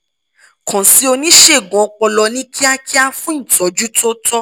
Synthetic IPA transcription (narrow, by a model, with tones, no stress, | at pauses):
kɔ̃˨si˨˦o˧nĩ˦ʃe˦˨ɡɔ̃˨˧k͡pɔ˧lɔ˧nĩ˦ki˦a˦kʰi˦a˦fũ˦ĩ˦˨tɔ˨˦d͡ʒu˦to˦tɔ˦